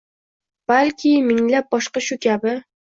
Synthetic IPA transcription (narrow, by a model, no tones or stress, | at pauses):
b̥alkʲʰɪmɪŋlap̚bɒʃqɑʃʊkʲʰabɪ